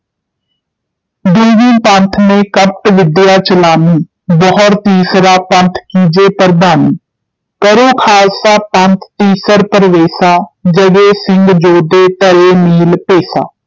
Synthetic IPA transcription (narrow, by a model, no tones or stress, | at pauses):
d̪uːɡiːpənt̪ʰnẽːkəp̚ʈʋɪd̪jaːt͡ʃəlaːniː | bɔːɔɾt̪iːsɾaːpə̃nt̪ʰkiːd͡ʒeːpəɾd̪aːniː | kəɾoːkʰaːsaːpənt̪ʰt̪iːsəɾpəɾəʋeːsaːd͡ʒəɡeːsɪŋɡd͡ʒoːd̪eːt̪əɾeːmiːlpeːsa̰ː